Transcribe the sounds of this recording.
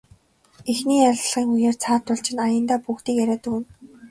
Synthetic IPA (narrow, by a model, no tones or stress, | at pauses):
exniːaɮ̆ʲɮʁiːŋujeːrt͡sʰaːt̪ːʊɮt͡ɕɪ̆najə̆nt̪aːpuxt̪iːkjæɾʲaːt̪ɵ̆kŭn